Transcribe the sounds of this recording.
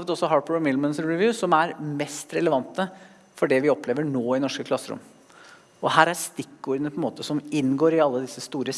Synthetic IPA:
ʋət̪ɔsɔɦɑbəɹɔmɪd̪mənsɹɪʋjʉːsɔmæɾmɛst̪ɾɛləʋɑnt̪ə | fɔɖɛʋɪɔpleːʋəɳoːɪnɔʂkəkʰlɑsːɾʊ̰m | ɔhæːɾæɾst̪ɪkːuːɾd̪ənəpʰɔɛnmoːt̪əsɔmɪnːɡoːɾɪɑlːəd̪ɪsːəst̪uːɾə

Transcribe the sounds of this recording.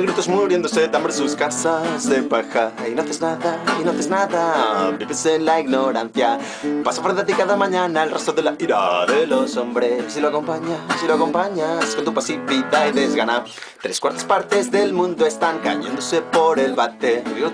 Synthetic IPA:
ɣɾit̪ozmuɾjend̪oset̪ambɾesuskasasepaxainoθeznaðainoθeznaðabiβesenlaiɣno̞ɾãnθja | pasafɾent̪at̪ikaðamãɲãnaelrest̪oðelaiɾa̰ðelo̞so̞mbɾesiloako̞mpaɲasiloako̞mpaɲaskont̪upasipit̪aeðezɣana | t̪ɾeskwaɾt̪ḁspaɾt̪e̞zðelmũnd̪oest̪aŋka̰ʝḛnd̪ose̞po̞ɾe̞lβat̪ediɣo

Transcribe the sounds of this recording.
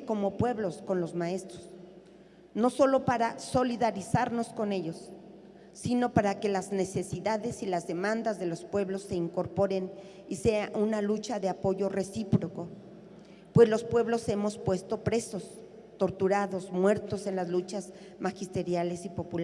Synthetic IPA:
ko̞mo̞pwe̞βlo̞sko̞nlo̞zmae̞st̪ɾoz | noso̞lo̞paɾaso̞liðaɾisaɾno̞sko̞ne̞ʝo̞sː | ino̞paɾake̞lazne̞se̞siðaðe̞silazðe̞mãnd̪azðe̞lo̞spwe̞βlo̞sːe̞iŋko̞ɾpo̞ɾe̞n | ise̞aʔunalut͡ʃaðe̞apo̞ʝo̞re̞sipɾo̞ko̞ | pwe̞zlo̞spwe̞βlo̞se̞mo̞spwe̞st̪o̞pɾe̞so̞s | t̪o̞ɾt̪uɾaðo̞smwe̞ɾt̪o̞se̞nlazlut͡ʃaz | maxist̪e̞ɾjale̞sipo̞pula

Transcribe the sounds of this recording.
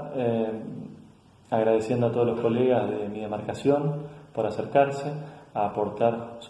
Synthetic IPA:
e | aɣɾaðesjend̪oat̪o̞olo̞sko̞leɣazðemiðe̞maɾkasjo̞npo̞ɾaseɾkaɾseaːpo̞ɾt̪aɾs

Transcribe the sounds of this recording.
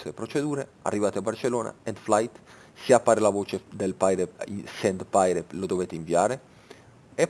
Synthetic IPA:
sepɾot͡ʃed̪uːɾea̰rːivaːt̪eabːart͡ʃelːoːna̰ɛnd̪flajt̪ | seapːaːɾelavoːt͡ʃed̪elpajɾesɛnd̪pajɾelod̪oveːt̪eiɱviaːɾe | e

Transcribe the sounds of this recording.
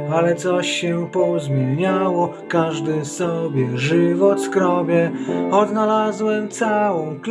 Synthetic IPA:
alɛt̪sɔɕːɛpɔzmʲjɛɲawɔ | kaʐd̪ɘsɔbʲjɛʐɘvɔt̪skɾɔbʲjɛɔd̪nalazwɛmt̪sawɔ̃w̃k

